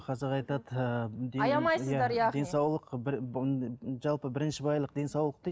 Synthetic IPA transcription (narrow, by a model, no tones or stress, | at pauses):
qʰɑzeɾɑjt̪ɑd̪d̪eɑjɑmɑjsjæd̪ɑɾjd̪e̞nsɑwlˠəqbɪɾ | ʒɑlˠpəbɪɾɪnʃɪbɑjlˠəqd̪e̞nsɑwlˠəq̚t̪e